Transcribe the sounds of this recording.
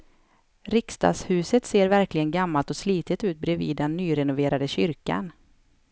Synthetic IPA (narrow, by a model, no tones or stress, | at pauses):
ɾɪkst̪ɑ̰ːɡshʉ̟ːsət̪seːɾvæɾklɪɡənɡamːalt̪ɔsliːt̪ɪt̪ʉ̟ːt̪̚bɾɛvḭːd̪ɛnːyːɾɛnʊveːɾad̪əɕʏɾka̰n